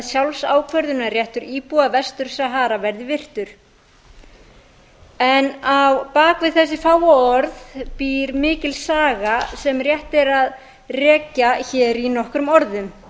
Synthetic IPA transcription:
sjawlsaːwkʰvœɾðʏnarjɛht̪ʏɾiːpuavɛst̪ʏɾ̥sɛɦaːɾavɛɾðɪvɪr̥t̪ʏɾ̥ | ɛnawpaːkvɪðθɛsːɪfaːwaɔɾðpiːɾmɪːcɪlsaːɣasɛmrjɛht̪ɛɾað | rɛːcaçɛːɾinɔhkɾʏmɔɾðʏm

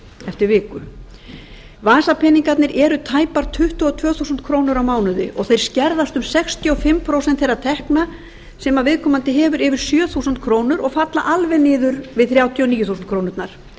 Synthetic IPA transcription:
ɛft̪ɪɾvɪːkʏ | vaːsapʰɛniŋkat̪nɪɾʔɛɾʏt̪ʰaːjpaɾ̥t̪ʰʏht̪ʏɔt̪ʰvœːθusʏnt̪kʰɾoːwnʏɾawmaːwnʏðɪʔɔɣθejɾ̥scɛɾðast̪ʏmsɛkst̪ʰiɔfɪmpʰɾowsɛnt̪θejrːat̪ʰɛhkna | sɛːmavɪðkʰɔːmant̪ɪɦɛːvʏɾɪːvɪɾ̥sjœːθusʏnt̪̚kʰɾoːwnʏɾɔɣfat̪laʔalvɛnɪːðʏɾvɪðθɾjaːwt̪ʰjɔniːjʏθuːsnkʰɾoːwnʏɾt̪naɾ̥

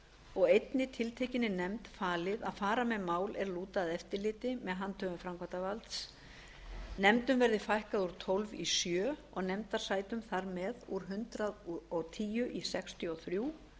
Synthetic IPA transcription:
ɔɣejt̪nɪt̪ʰɪlt̪ʰejcɪnːɪnɛmt̪faːlɪða̰ðfaːɾamɛðmaːwlɛɾluːt̪aðɛft̪ɪɾlɪːt̪ɪmɛðɦant̪ʰœɣʏmfɾamkʰvant̪avalt̪s | nɛmt̪ʏmvɛɾðɪfajhkaðuɾ̥t̪ʰɔlvisjœːɔɣnɛmt̪aɾ̥saːjt̪ʏmθaɾmɛðuɾɦʏnt̪ɾaðɔt̪ʰiːjʏʔisɛkst̪ʰjʏɔθɾjuː

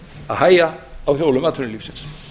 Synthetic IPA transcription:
aðhaːjaawθjowlʏmaːt̪ʰʏnɪliːfsɪns

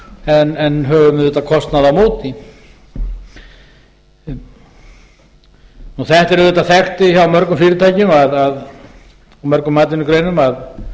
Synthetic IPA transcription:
ɛnɛnɦœːvʏmɪðɛt̪akʰɔst̪naðamoːwt̪i | nuθɛht̪ɛɾʏðɛt̪aθɛxt̪ɪçawmœɾkʏmfiːɾɪt̪ʰaːjcɪmaðað | ɔmœɾkʏmːaːt̪ɪnːʏkɾeːjnʏmað

